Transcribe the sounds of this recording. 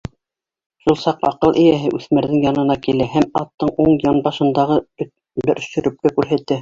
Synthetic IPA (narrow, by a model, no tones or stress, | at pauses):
ʃulˠsɑqɑ̰qɤlˠʔɘ̆jæɦɘʔʉθmæɾðɘŋjɑnɤ̆nɑkilæhæmɑt̪ːɤɴuɴjɑnbɑʃɤ̆nd̪ɑʁɤ | bɘɾʔ̆ʃɵ̆ɾʔɵ̆p̚kækʉɾɦæt̪ːɘ